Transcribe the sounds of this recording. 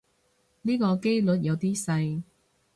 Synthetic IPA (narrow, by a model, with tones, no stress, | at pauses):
niː˥kɔː˧ke˥jlɵ˨t̚jɐ˨˧wt̪iː˥sɐ˧j